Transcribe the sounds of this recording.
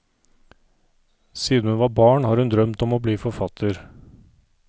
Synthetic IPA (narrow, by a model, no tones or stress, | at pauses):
siːd̪̩ʉnʋɑːbɑːɳhɑːɾʉnd̪ɾœmt̪ɔmoːbliːfɔɾfɑt̪ʰəɾ